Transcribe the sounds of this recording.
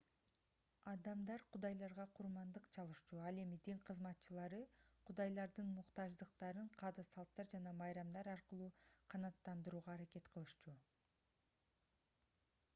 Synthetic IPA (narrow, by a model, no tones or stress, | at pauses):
ɑd̪ɑmd̪ɑɾqʰud̪ɑjlˠɑɾʁɑqʰuɾmɑnd̪ɯqt͡ʃʰɑlˠɯʃt͡ʃuɑlˠe̞mid̪iɴqʰɯzmɑt̪̚t͡ʃɯlˠɑɾɯqʰud̪ɑjlˠɑɾd̪ɯnmuqt̪ɑʒd̪ɯqt̪ɑɾɯɴqʰɑːd̪ɑsɑlˠt̪ːɑɾd͡ʒɑnɑmɑjɾɑmd̪ɑɾɑɾqɯlˠuːqʰɑnɑt̪ːɑnd̪ɯɾuːʁɑːɾake̞t̪qʰɯlˠɯʃt͡ʃu